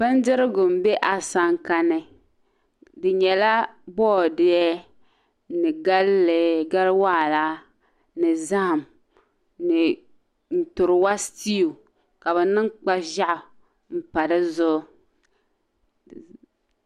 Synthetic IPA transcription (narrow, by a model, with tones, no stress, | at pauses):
b̥ɨ˦n˦dɪ˦ɾɪ˦ɡʊ˨m˨bɛ˦ʔa˨sa˦ŋka˦nɨ˦ | dɨ˨ɲɛ˨la˦bɔː˦˨dɪ˦ɛ˦ | nɨ˨ɡa˦lːɨ˨ɡa˦lwaː˦˨la˦ | nɨ˨za˦˨m | nɨ˨ | n̩˨tʊ˨ɾɨ˨wa˦sti˦u˨ | ka˨bɛ˨nɨ˦ŋk͡pa˦ʒa˦ʔʊ˨ | m̩˨pa˨dɨ˦zʊ˦